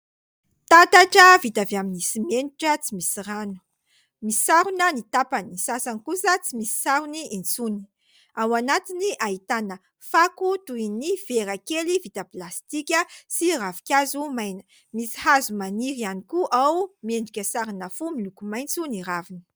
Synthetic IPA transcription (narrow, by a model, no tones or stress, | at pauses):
t̪at̪aʈ͡ʂəvit̪aveaminisimeɳɖ͡ʐiʈ͡ʂət͡simisiranu̥ | misi̥saɾunənit̪apanisasanikusət͡simisi̥saɾuniint͡suni̥ | awanat̪iniʔaɦit̪anə | fakut̪uiniveɾakelivit̪əplast̪ikʲəsiravi̥kʲazumajnə̥ | misi̥hazumaniɾianikuʔawmeɳɖ͡ʐikʲəsaɾinəfumilukumajnt͡suniɾavinə̥